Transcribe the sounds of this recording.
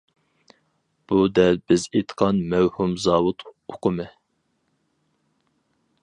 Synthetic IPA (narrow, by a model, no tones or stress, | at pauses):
b̥ud̪ɛlbɪzet̪ʰqʰɑnmɛwhumzɑːwut̪ʰoqʰʊmɨ